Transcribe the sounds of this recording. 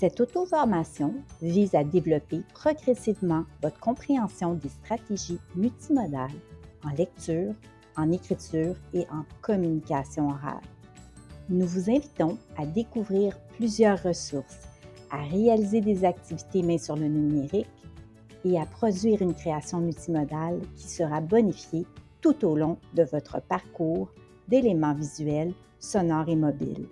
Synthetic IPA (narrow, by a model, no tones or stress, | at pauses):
sɛt̪ot̪ofɔʁmasjɔ̃viːzad̪evlɔpepχɔɡʁɛsivmɑ̃vɔt̪χə̥kɔ̃pχeɑ̃sjɔ̃d̪est̪χat̪eʒimylt̪imɔd̪alɑ̃lɛk̚t̪yːʁ | ɑ̃nekʲχit̪yːʁeʔɑ̃kʰɔmynikʲasjɔ̃ɔʁa̰l | nuvuzɛ̃vit̪ɔ̃ad̪ekuvʁiːʁplyzjœːʁːəsuʁs | aʁealized̪ezak̚t̪ivit̪emɛ̃syʁlənymeʁik | eapχɔd̪ɥiːʁynkʲχeasjɔ̃mylt̪imɔd̪alkʲʰi̥səʁabɔnifjet̪ut̪olɔ̃d̪əvɔt̪χə̰paʁkuːʁ | d̪elemɑ̃vizyɛl | sɔnɑːʁemɔbḭl